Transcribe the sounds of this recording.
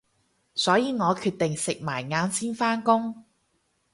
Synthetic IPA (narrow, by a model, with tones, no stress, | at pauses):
sɔː˨˥jiː˨ŋɔː˨˧kʰyː˧t̚t̪ɪ˨ŋsɪ˨k̚maː˨˩jŋaː˨˧nsiː˥nfaː˥nkʊ˥ŋ